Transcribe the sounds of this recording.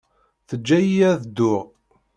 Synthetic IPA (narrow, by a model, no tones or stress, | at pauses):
θəd͡ʒːæjiæðd̪ːʊʁ